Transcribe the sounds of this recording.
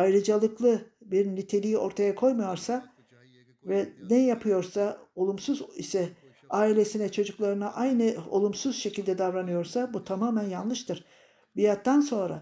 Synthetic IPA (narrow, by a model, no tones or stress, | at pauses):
ajɾɯd͡ʒalˠɯklˠɯbiɾlʲit̪ʰe̞lʲijio̞ɾt̪ʰajakʰo̞jmajo̞ɾsa | vɛnɛjapʰɯjo̞ɾsao̞lˠumsuzisɛ | aːilʲe̞sinɛt͡ʃʰo̞d͡ʒuklˠaɾɯnaʔajnɯo̞̰lˠumsuz̥ʃe̞cilʲd̪ɛd̪avɾanɯjo̞ɾsabut̪ʰamaːmænjanlˠɯʃt̪ʰɯɾ̥ | bijat̪ːanso̞nɾa̰